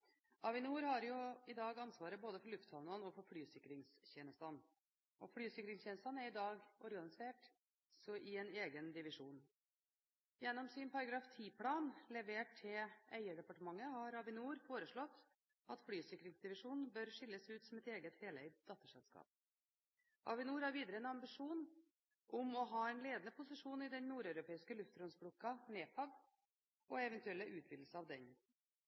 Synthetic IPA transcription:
ɑʋɪnuːɾhɑɾjʊɪd̪ɑːɡɑnsʋɑːɾəboːd̪əfɔɾɭʉft̪hɑʋnʊənɔfɔɾfɽyːsɪkɾɪŋsçeːnəst̪ɑn | ʔɔfɽyːsɪkɾɪŋsçjɛːnəst̪ɑnæɾɪd̪ɑːɡɔɾɡɑnɪseːʈ | sɔʔɪɛneːɡənd̪ɪʋɪʂuːn | jɛnːɔmsɪnpʰɑɾɑɡɾɑːft̪ʰiːpʰlɑːnlɛʋeːʈt̪ʰɪæ̰ɪəɖɛpɑʈəmɑŋːəhɑɾɑʋɪnuːɾfoːɾəʂɭɔt̪ː | ɑt̪flyːsɪkɾɪŋsd̪ɪʋɪʂuːnn̩bœɾʂɪlːəsʉːt̪sɔmɛt̪eːɡət̪heːlæɪt̪d̪ɑt̪ːəʂɛ̰lskɑ̰ːp̚ | ʔɑ̰ʋɪnuːɾhɑɾʋiːd̪əɾəɛnɑmbɪʂuːn | ʔɔmɔɦɑːɛnleːd̪ənəpʰʊsɪʂuːnɪd̪ɛnnːuːɾœʉɾʊpʰeːɪskəlʉft̪ɾɔnsbɽʊkːɑneːt̪ʰɑʋ | ʔɔɛʋɛnt̪ʉɛlːəʔʉːt̪ʰbɪd̪l̩səɑʋd̪ɛ̰ɲ

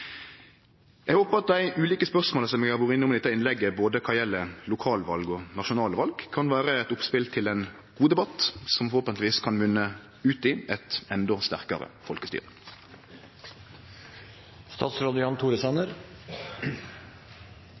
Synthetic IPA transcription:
ɛɡhoːpəɑt̪̚d̪æɪʔʉːliːkəspœʁsmoːləsɔmɛɡɑɡuːɾɪnɪʊmd̪ɛt̪ːəɪnlɛɡːəboːd̪əkʰɑjɛlːəlʊkʰɑːlʋɑlɡɔnɑʃʊnɑːləʋɑlɡkʰɑnʋæːɾəɛt̪ʊpspɪlt̪ʰɪlɛn | ɡ̥uːd̪ɛbɑt̪sɔmɔoːpənɪʋiːskʰɑnʋʉnːə | ʉːt̪ɪʔɛt̪ɛnd̪ɔst̪æʁkɑʁə̰fɔlkəst̪y̰ːʁə | st̪ɑ̰ːt̪sɾoːd̪əjɑnt̪ʰuːɾəsænəɾ

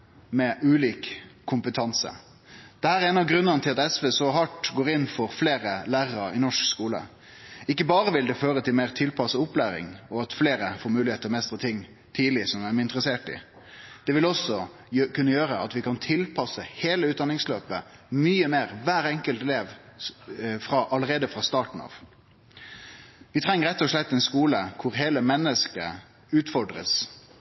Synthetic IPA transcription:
mɛʔʉːliːkkʰːʊmpət̪ʰɑnsə̰ | d̪̥ɛhæːɾɛːnɑʋɡʁʉnːənət̪ʰɪlɑt̪ɛsʋeːsɔɦɑʈɡoːɾɪnːfɔɾfleːɾəlæːʁəʁɑɾɪnɔʂkskuːlə̰ | ɪkːəbɑːʁəʋɪld̪ɛføːɾət̪ɪlmeːʁt̪ʰɪlpʰɑsəʊplæːɾɪ̰ŋɔɑt̪fleːɾəfoːɾmʉːlɪheːt̪əmɛst̪ɾət̪ʰɪŋː | t̪ʰiːlɪsɔmæmɪnt̪ɾəseːʈɪ̰ | d̪̥ɛʋɪlɔsːɔ | kʉnːəjøːʁəɑt̪ʋɪkʰɑnt̪ʰɪlpʰɑsəheːləʉːt̪̚d̪ɑnɪŋsløːpəmyːəmeːɾʋæːɾɛŋkəlt̪leːʋ | fɾɑʔɑləɾeːd̪əfʁɑst̪ɑːʈɳ̩ɑ̰ːʋ | ʋɪt̪ʰʁɛŋːəɾɛt̪ːɔʂlɛt̪ːɛnskuːləkʰʊɾɦeːləmɛnːəskə̰ | ʉːt̪fɔɖʁə̰s

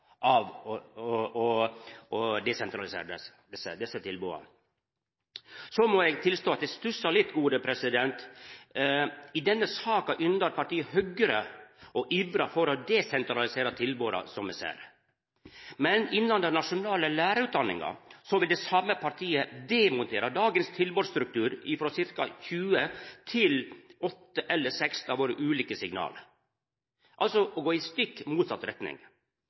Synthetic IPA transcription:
ʔɑʋ | ɔʔɔd̪ɛsɛnt̪ɾɑlɪsḛːɾɛ | d̪ɛsːə̰d̪ɛsːət̪ʰɪlbṵːɑ̰ | sɔmɔɛɡt̪ʰɪlst̪oːɑt̪̚d̪ɛst̪ʉsɑɭɪt̪ːɡuːd̪əpʰɾɛsɪd̪ɛnt̪ | ɪd̪ɛnːəsɑːkɑʔʏnd̪əɾpɑʈ̪iːəhœɡəɾəɔʔiːbɾɑfɔɾɔd̪ɛsɛnt̪ɾɑlɪseːɾət̪ʰɪlboːɾɑ̰sɔmɛsæ̰ːɾ | mɛnɪnːɑnd̪ɛnɑʂʊnɑːləlæːɾəʉːt̪̚d̪ɑnːɪ̰ŋɑ̰sɔʋɪld̪ɛsɑmːəpʰɑɾʈʰiːəd̪ɛmʊnt̪ʰeːɾɑd̪ɑːɡənst̪ʰɪlboːɾst̪ɾʉk̚t̪ʉːɾɪfɾoːsɪɾkɑ̰çʉːət̪ʰɪlɔt̪ːəʔɛlːəsɛkst̪ɑːʋoːɾəʔʉːliːkəsɪɡnɑ̰ːlə | ʔɑlsɔʔɡoːɪst̪ʏkːmuːt̪sɑt̪ɾɛt̪nɪ̰ŋ

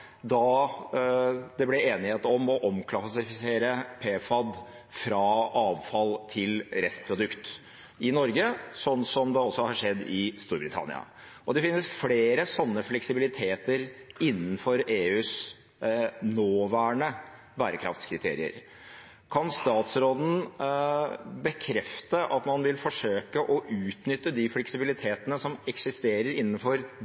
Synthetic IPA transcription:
d̪ɑ | d̪ɛblɛeːnɪheːt̪ɔmɔʔɔmkʰlɑsɪfɪseːɾəpʰeːfɑd̪ | fɾɑɑːʋfɑlt̪ʰɪlɾɛst̪pʰɾʊd̪ʉkt̪ | ɪnɔɾɡəsɔnːsɔmd̪ɛɔsːɔhɑʂɛd̪ːɪst̪uːɾbɾɪt̪ʰɑ̰nɪ̰ɑ̰ | ʔɔd̪ɛfɪnːəsfɽeːɾəsɔnːəflɛksɪbɪlɪt̪ʰeːt̪əɾɪnːən̩fɔɾeːʉːs | noːʋæːɳə | bæːɾəkʰɾɑ̰ft̪skʰɾɪt̪ʰḛːɾɪ̰ə̰ɾ | kʰɑnst̪ɑːt̪sɾoːd̪n̩ | bəkʰɾɛft̪əʔɑt̪mɑnʋɪlfɔʂøːkəʔɔʔʉːt̪nʏt̪ːəd̪ɪflɛksɪbɪlɪt̪ʰeːt̪ənəsɔmɛksɪst̪eːɾəɾɪnːənfɔɾ

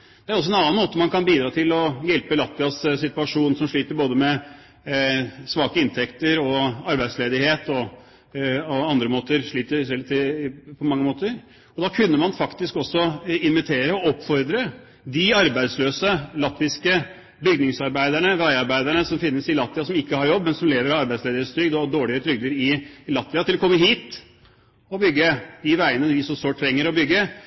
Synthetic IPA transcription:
d̪ɛæɾɔs̬ɔɛnɑnənmoːt̪əmɑnkɑnbiːd̪ɾɑːt̪ʰɪlɔjɛlpəlɑt̪ʋɪɑssɪt̪ʉɑʂuːnsɔmʂɭiːt̪əɾboːd̪əmɛ | sʋɑːkəɪnt̪ʰɛkt̪əɾɔɑɾbæɪd̪sleːd̪ɪheːt̪ɔ | ɔɑnd̪ɾəmoːt̪əɾʂɭiːt̪əsɛlt̪ʰɪpʰɔmɑŋːəmoːt̪əɾ | ɔd̪ɑkʰʉnːəmɑnfɑkt̪ɪskɔsːɔɪnʋɪt̪ʰeːɾəɔɔpːfɔɾd̪ɾə | d̪ɪɑɾbæɪd̪sløːsəlɑt̪ʋɪskə | bʏɡnɪŋsɑɾbæɪd̪æɳəʋæɪɑɾbæɪd̪æɳəsɔmfɪnːəsɪlɑt̪ʋɪɑsɔmɪkːəhɑɾjɔbːmɛnsɔmleːʋəɾɑɑɾbæɪd̪sleːd̪əɾəst̪ɾʏɡd̪ɔd̪oːɭɪət̪ʰɾʏɡd̪əɾɪlɑt̪ʋɪɑt̪ʰɪlɔkʰɔmːəɦiːt̪ | ɔbʏɡːəd̪ɪʋæɪənəd̪ɪsɔsoːʈʰːɾɛŋːəɾɔbʏɡːə

